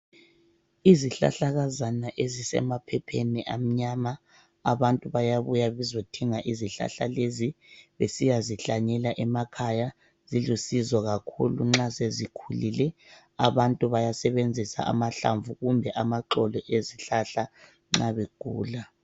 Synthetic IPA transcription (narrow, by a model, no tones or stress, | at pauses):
iziɬa̰ɬaɣazanaʔezisɛ̰mapʰɛpʰeniʔam̩ɲama | aβantʼuβajaβujaβɛzotʰiŋaʔiziɬa̰ɬa̰leziβḛsijaziɬaɲɛlaʔɛmakʰaja | zilusizɔɣakʰṵluŋ͡ǁasezikʰulilɛ | aβantʼuβajasɛβend͡zʱisa̰ʔa̰maɬa̰ɱvuɣumbʱɛʔamaǁɔlɔʔeziɬaɬa | ŋ͡ǁaβeɡ̥ʱuːla